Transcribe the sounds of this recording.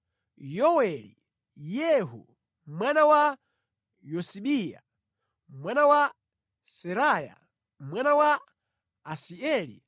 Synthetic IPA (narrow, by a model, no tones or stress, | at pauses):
jɔwɛlḭ | jɛɦṵ | mwanawa | jɔsiɓija̰ | mwanawa | sɛɾaja̰ | mwanawaː | siɛlḭ